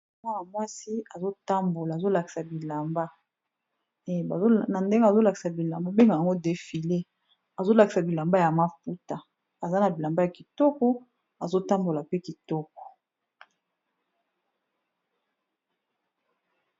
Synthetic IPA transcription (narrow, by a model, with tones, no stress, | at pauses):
ma˦na˨mwa˦si˦a˨zo˦ta˦mbo˨la˨zo˦la˨ki̥˨sa˨bi˨la˨mba˦ | e˨a˨˦na˨nde˦ŋɡe˦a˨zo˦la˨ki̥˨sa˨bi˨la˨mba˦be˦ŋɡa˨ja˨ŋɡo˦de˨fi˨le˦ | a˨zo˦la˨ki̥˨sa˨bi˨la˨mba˦ja˨ma˦fu˦ta˨ | a˨za˦na˨bi˨la˨mba˦ja˨ki˨tɔ˦kɔ˦ | a˨zo˦ta˦mbo˨la˨pe˦ki˨tɔ˦kɔ˨